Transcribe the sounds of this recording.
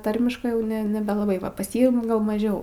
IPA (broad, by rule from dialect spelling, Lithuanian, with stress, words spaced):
ˈtɐrʲmʲɪʃkɜ ˈjɛʊ ˈnʲɛ nʲɛbʲɛlˠɐˈbɐɪ ˈʋɐ pɐs ˈjiː ɡɐlˠ mɐˈʒʲɛʊ